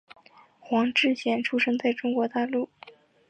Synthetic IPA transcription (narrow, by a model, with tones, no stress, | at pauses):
xwɑ˧˥ŋʈ͡ʂɻ̩˥˧ɕjɛ˥˩nʈ͡ʂʰu˥ʂɤ˥ŋt͡sa˥˩ɪʈ͡ʂʊ˥ŋkwɔ˧˥t̪a˥˧lu˥˩